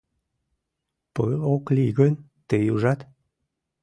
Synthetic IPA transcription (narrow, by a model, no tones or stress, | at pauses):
pəokliɡənʲ | t̪ejuʒat̪